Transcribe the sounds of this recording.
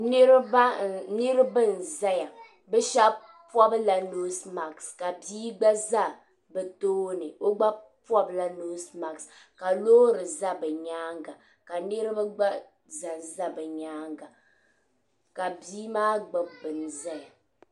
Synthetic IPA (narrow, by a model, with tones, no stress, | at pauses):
n˦ɾba˦nɨ˦ɾɨ˦bɨ˦˨n̩˨za˦ja˨ | bɛ˦ʃa˦ | pɔ˦bla˨no˦sma˨kska˨biː˦ɡ͡ba˦za˦˨ | bɛ˨toː˦nɨ˨o˦ɡ͡ba˦pwɔ˦bla˨no˦sma˨ks | ka˨loː˦ɾɨ˨za˦bɛ˨ɲaː˦ŋɡa˨ | ka˨nɨ˦ɾɨ˦bɨ˦ɡ͡ba˦ | za˨nza˦bɛ˨ɲaː˦ŋɡa˨ | ka˨biː˦maː˦ɡ͡bɨ˨bɨ˨n˨za˦ja˨